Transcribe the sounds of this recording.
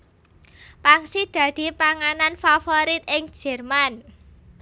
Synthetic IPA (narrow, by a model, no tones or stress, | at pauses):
paŋsid̪̥ä̤d̪̥i̤paŋananfafoɾit̪̚ɪŋ̥d͡ʒ̥ɛ̤rman